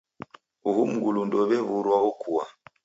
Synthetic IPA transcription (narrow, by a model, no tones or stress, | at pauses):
uɦum̩ɡulundɔβɛβuɾwaukua̰